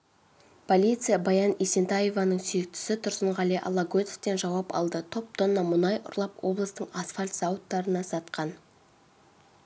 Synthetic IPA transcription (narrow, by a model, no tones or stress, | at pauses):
pʰo̞lʲijt̪sɨjabɑjɑnisent̪ɑje̞vɑnəɴsyjek̚t̪ɪ̥sɪt̪ʰʊɾsəɴʁɑleʔɑ̰lˠɑɡot̪e̥ft̪e̞nʒɑwɑpɑ̰lˠd̪ət̪ʰo̞p̚t̪ʰonːɑmʊnɑjʔʊ̰ɾlˠɑpwo̞̰blˠəst̪əɴasfalʲt̪sɑwʊt̪ːɑɾənɑsɑt̪qɑn